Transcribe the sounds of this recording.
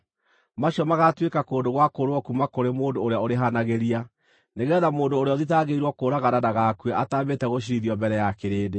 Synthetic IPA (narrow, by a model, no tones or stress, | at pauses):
maɕiɔmaɣatwekakoːndoɣwakoɾwɔkumakoɾemoːndoːɾeaoɾeɦanaɣeɾia | neɣɛðamoːndoːɾeɔðitaɣeiɾwɔkoːɾaɣaɾanaɣakweʔataːmetɛɣoɕ̬iɾiðiɔmbɛɾɛjakeɾeːde